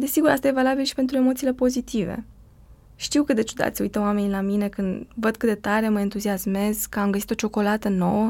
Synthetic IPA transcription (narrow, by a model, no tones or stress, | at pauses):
d̪e̞siɡuɾa̰st̪aje̞valabilʃipe̞nt̪ɾue̞mo̞t̪siːle̞po̞zit̪ive̞̰ | ʃt̪iwkɨt̪d̪et͡ʃud̪a̰t̪sʲṵjt̪əwame̞nʲlamine̞kɨnd̪vəd̪̚kɨt̪d̪et̪aɾe̞məent̪uziasme̞zkəamɡəsit̪o̞t͡ʃo̞ko̞lat̪əno̞̰wə